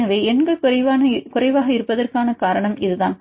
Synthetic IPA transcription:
ɐʋɐːɛnɡɐɭkʊɾɐʋaːnɐkʊrɐɪʋaːɣɐɪɾɯpːɐðɐrkaːnɐkaːɾɐɳɐmɪðɯðaːn

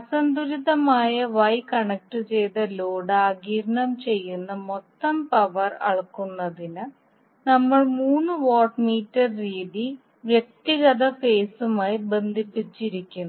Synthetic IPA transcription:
ɐsɐnd̪uɾiðɐmaːjɐʋɐjkɐɳɐk̚ʈɨt͡ɕe̞jt̪ɐloːɽaːɡiːɾɐɳɐmt͡ɕe̞jːunːɐmot̪ːɐmpɐʋɐrɐ̰ɭkːunːɐðinɨ | nɐmːɐɭmuːnːɨʋoːʈmiːtːɐrriːði | ʋjek̚t̪iɣɐðɐfeːsumaːjibe̞nd̪ʱipːit͡ɕːiɾikʲːunːu

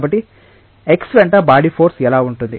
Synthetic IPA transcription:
bɐʈːi | eksʋeɳʈabaːɽipʰoːɾsɛlaːuɳʈund̪i

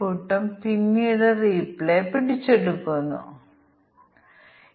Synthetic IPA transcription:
uʈːɐmpinːiðeriːpːilepiɽit͡ɕːeɽukːunːṵ

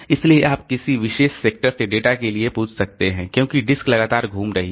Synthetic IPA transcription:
ɪslieʔaːp̚kɪsiʋɪʃeːʃseːk̚ʈəɾseɖeːʈakeliepuːt͡ʃʰsɐk̚t̪eɦɛ̃kjõːkiɖɪsklɐɡaːt̪aːɾɡʱuːmɾɐɦi

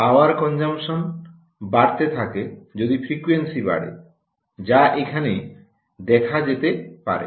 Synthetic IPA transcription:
aoaɾkɔnd͡ʑamʃon | baɾt̪et̪ʰaked͡ʑod̪ifɾikuensiba̰ɽḛ | d͡ʑaʔekʰane | d̪ɛkʰad͡ʑet̪epa̰ɾḛ

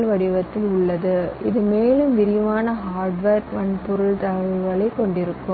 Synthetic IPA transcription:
lʋɐɽɪʋɐt̪ːɪlʊɭːɐðɯɪ̰ðɯmeːlɯmʋɪɾɪjʋaːnɐɦaːɾɖʋeːɾʋɐnpʊɾɯɭt̪ɐɐɣɐɭɐɪkːɔɳɖɪɾɯkːɯm

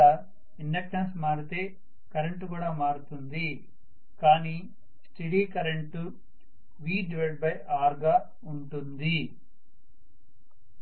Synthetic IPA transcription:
a | inɖɐk̚ʈɐnsmaːɾut̪e̞ː | kɐɾeɳʈkuːɽaːmaːɽut̪und̪i | kaːniː | sʈiɽiːkɐɾeɳʈu | ʋiːɖiʋeʈ̚bɐjaːɾɡaː | uɳʈund̪i

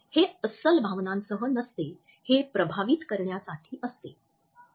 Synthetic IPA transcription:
heəsəlbʱaʋnãnsəɦənəst̪e | hepɾəbʱaʋiːt̪kəɾɳjasaʈʰiːʔəst̪e

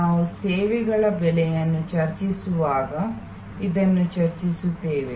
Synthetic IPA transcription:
naːʋuseːʋeɡɐɭɐbɛlejɐnːut͡ʃɐɾt͡ʃisuʋaːɡɐ | id̪ɐnːut͡ʃɐɾt͡ʃisut̪ːeːʋe

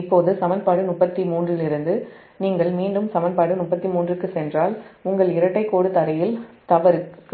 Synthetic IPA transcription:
ɪpːoːðɯsɐmɐnpaːɽɯnʊpːɐt̪ːimuːndrɪlɪɾɯnd̪ɯ | niːŋɡɐɭmiːɳɖɯmsɐmɐnpaːɽɯnʊpːɐt̪ːimuːndrɯkːɯsɛndraːlʊŋɡɐɭɪɾɐʈːɐɪkːoːɽɯt̪ɐɾɐjɪlt̪ɐʋɐɾɯkː

